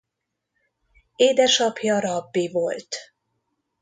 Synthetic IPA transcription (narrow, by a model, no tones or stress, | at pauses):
eːd̪ɛʃɒpjɒɾɒbːivolt̪